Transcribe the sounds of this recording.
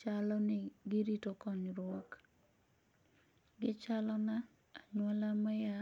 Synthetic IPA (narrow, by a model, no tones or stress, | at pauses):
t͡ʃalɔnɪɡɪɾitokɔɲɾok | ɡɪt͡ʃalɔna | aɲwɔlamɛja